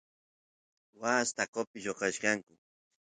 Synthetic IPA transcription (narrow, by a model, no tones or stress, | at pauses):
wast̪akopɪʃoqɑʃkɑŋkʊ